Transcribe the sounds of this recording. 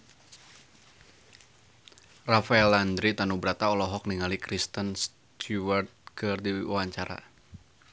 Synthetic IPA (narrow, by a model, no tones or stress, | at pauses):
rafaɛland̪ɾit̪anubəɾat̪aɔlɔɦɔk̚niŋalikɾist̪əns | t̪ʰuwart̪̚kɨrdiṵwaɲt͡ʃaɾa̰